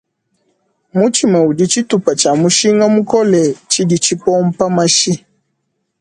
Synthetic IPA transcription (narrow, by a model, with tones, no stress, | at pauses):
mu˦t͡ʃi˨ma˨u˨di˦t͡ʃi˦tu˨pa˨t͡ʃa˨mu˦ʃi˦ŋa˦mu˦kɔ˦lɛ˨t͡ʃi˦di˨t͡ʃi˦pɔ˦m̩˦pa˦ma˦ʃi˦